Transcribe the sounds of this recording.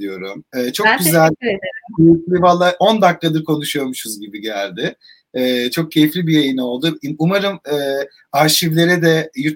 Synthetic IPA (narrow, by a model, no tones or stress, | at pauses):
ijo̞ɾumɛːt͡ʃʰok̚ɟyzælʲcʰejiflʲivalˠːaʔo̞nd̪ak̪ːad̪ɯɾkʰo̞nuʃujo̞ɾmuʃuzɟibiɟælʲd̪ɪ | ɛːt͡ʃʰo̞k̚cʰe̞jiflʲibijajino̞lˠd̪uiumaɾɯmɛː | aɾʃivlʲe̞ɾɛd̪ɛjy